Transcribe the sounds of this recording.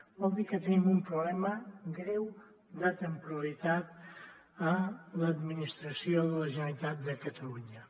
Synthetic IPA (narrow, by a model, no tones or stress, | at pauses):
bɔlˠd̪ikət̪ənimumpɾuβlɛməɡɾɛw | d̪ət̪əmpuɾəlit̪at̪̚ | ələd̪minist̪ɾəsioðələʒənəlit̪at̪̚d̪əkət̪əluɲə